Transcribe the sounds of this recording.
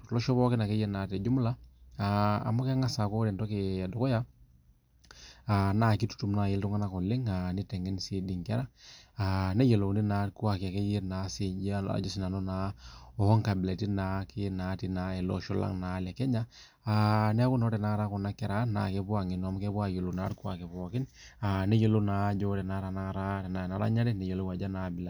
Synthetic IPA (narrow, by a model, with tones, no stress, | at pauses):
lɔ˦ʃɔ˦bɔ˦kɪ˦na˨kɛ˦jɛ˦naː˨tɛ˨d͡ʒu˦m˦la˦a̰ː˨mɔ˦kɛ˦ŋa˦sa˨kɔ˦ɾɛ˨ntɔ˦ke˨dɔ˨kɔ˦ja˦ | a˨naː˦˨ki˦tu̥˦tu˨mna˨jɪ˦ltu˦ŋa˦na˦kɔ˨lɪ˦ŋa˨nɪ˦tɛ˨ŋɛ˦nsi˨di˨ŋkɛ˦ɾa˦a˨nɛ˦jɛ˨lo˨ni˦na˨˦ku˦a˨kɪ˨a˨kɛ˦jɛ˦na˨si˨a̰˨d͡ʒɔ˦sɪ˨na˨nɔ˦na˨˦ɔ˨hɔ˦ŋka˨bɪ˨le˨ti˦na˨˦kɪ˦na˨˦ti˦na˨ɛ˨lɔ̰˦ʃɔ˦la̰˦ŋnaː˨˦lɛ˨kɛ˦ɲa˦ | anɛ˦ku˦nɔ˦ɾɛ˨na˦ɾa˦kɔ˨na˦kɛ˦ɾa˦na̰˨kɛ˦pu˦a˨ŋɪ˨nwa˨˦m˦kɛ˦ba˦˨jo˨lo˨na˦ɾku˦a˨kɛ˨pɔ˨kɪ˦n | a˨nɛ˦je˨lo˦naː˨˦d͡ʒɔ˦tɛ˨na˦ɾa˨na˦˨ɾa˦tɛ˨na˨na˨˦ɾa̰˦ɲa˦ɾɛ˦nɛ˨jo˨lo˦wa˨d͡ʒa˦na˨bɪ˨la˨